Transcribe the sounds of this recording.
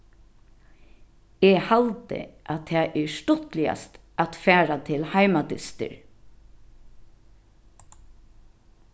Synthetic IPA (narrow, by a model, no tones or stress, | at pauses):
ɛːhalt̪ə̰ʔatt̪ʰːɛːʔɛʂt̪ʊt̪lɪa̰st̪ | ʔat̪fæːɹat̪ʰɪlhaɪmad̪ɪst̪ə̰ɹ